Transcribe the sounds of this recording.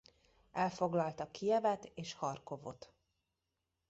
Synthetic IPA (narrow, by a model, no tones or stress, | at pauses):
ʔɛlfo̞ɡlɒlt̪ɒkʰijɛvɛt̪eːʃhɒrko̞vo̞̰t̪